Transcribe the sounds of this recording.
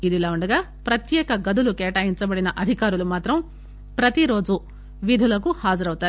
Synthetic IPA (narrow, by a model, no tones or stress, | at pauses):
id̪ilaːuɳɖɐɡaː | pɾɐt̪jɛːkɐɡɐd̪ulukɛːʈaːjiɲt͡ʃɐbɐɽinɐʔɐd̪ʱikaːɾulumaːt̪ɾɐm | pɾɐt̪iɾo̞ːd͡ʒu | ʋid̪ʱulɐkuhaːd͡ʒɐɾɐwut̪aːɾ